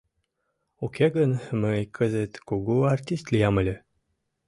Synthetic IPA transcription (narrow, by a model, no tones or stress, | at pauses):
ukʲʰeɡənməjkʰəzet̪koɡuart̪ʲist̪lʲijaməlʲɘ